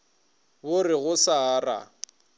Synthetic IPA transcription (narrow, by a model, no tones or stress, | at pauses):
bʊrɪɣʊsaːra̰